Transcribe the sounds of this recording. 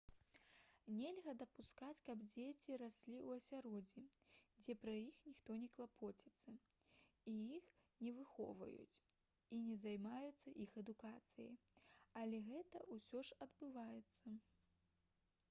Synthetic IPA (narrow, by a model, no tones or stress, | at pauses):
nʲelʲɣɐd̪ɐpuskat͡sʲkɐbd͡zʲet͡sʲiɾasʲlʲiwɐsʲaɾɔd͡zʲid͡zʲɛpɾɐjixnʲixt̪ɔnʲɛklˠapʰɔt͡sʲit̪sːɐ | ijixnʲɛvɨxɔ̰vɐ̰jṵt͡sʲ | inʲɛzajmajut̪sːɐʔixɐd̪ukat̪sɨjɐ̰jɐlʲɛɣɛt̪ɐʔusʲɔʂɐd̪bɨvajɛt̪sːɐ